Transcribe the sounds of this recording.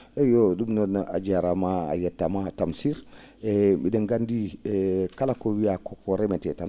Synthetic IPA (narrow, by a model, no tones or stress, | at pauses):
joɗumnɔnʔa̰d͡ʒaɾamaa̰jɛtːamatamsiɾ | ebideŋɡandi | kalakowijakokoɾemetɛtan